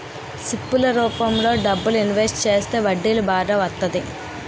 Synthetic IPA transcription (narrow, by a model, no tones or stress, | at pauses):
sipːulɐɾuːpɐmlo̞ːɖɐbːuluinʋesʈt͡ʃe̞ːst̪e̞ːʋɐɖːilubaːɖɐʋɐt̪ːɐd̪i